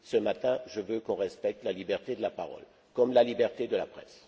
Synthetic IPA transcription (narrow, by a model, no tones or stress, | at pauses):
səmat̪ɛ̃ʒəvøkɔ̃ʁɛspɛk̚t̪lalibɛʁt̪ed̪əlapaʁɔ̰l | kɔmlalibɛʁt̪ed̪əlapχɛ̰s